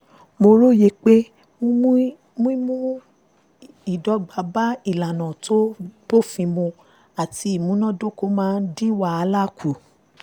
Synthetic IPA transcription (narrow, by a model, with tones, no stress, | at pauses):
mo˧ɾo˦je˧˦k͡pe˦ | mũ˦mũ˦ | mũ˦i˦mũ˦ | i˨dɔ˨˦ɡ͡ba˧ba˦i˦˨la˨nã˨tʰo˦b̥o˦˨fĩ˧mõ˧ | a˨ti˧˦i˨mũ˨˦nã˦do˦ko˦mãː˦˧n̩˦dĩ˦wa˦a˧la˦˨kʰu˨